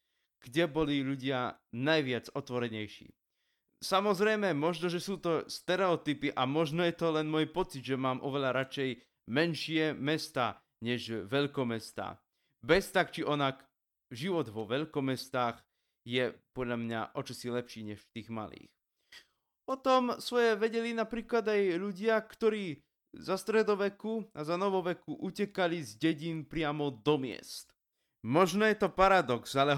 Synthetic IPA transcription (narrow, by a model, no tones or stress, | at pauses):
ɡ̥ɟɛbɔliʎuɟɪanajʋɪad͡zɔt̪ʋɔɾɛɲɛjʃḭː | samɔzɾɛjmɛmɔʒnɔʒɛsuːt̪ɔst̪ɛɾɛɔt̪ipiʔamɔʒnɔjɛt̪ɔlɛnmɔjpɔt͡sid̪ʒɛmaːmʔɔʋɛʎaɾat͡ʃɛj | mɛnʃɪɛmɛst̪aː | ɲɛʒʋɛʎkɔmɛst̪a̰ː | bɛst̪akt͡ʃiʔɔnak | ʒiʋɔd̪ʋɔʋɛʎkɔmɛst̪aːɣ | jɛpɔd̪ʎamɲa̰ʔɔt͡ʃɔsilɛpʃiːɲɛʃft̪iːɣma̰lḭːx | pɔt̪ɔmsʋɔjɛʋɛɟɛlinapɾiːklad̪ajʎuɟɪakt̪ɔɾiː | zast̪ɾɛd̪ɔʋɛkuazanɔʋɔʋɛkuʔucɛkalizɟɛɟiːnpɾɪamɔd̪ɔmɪɛ̰st̪ | mɔʒnɛjɛt̪ɔpaɾad̪ɔksalɛ